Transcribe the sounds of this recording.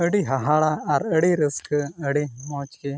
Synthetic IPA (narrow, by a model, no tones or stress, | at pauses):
əɽiɦɐɦaɭaːɾəɽiɾiskɐɽimoːt͡ʃki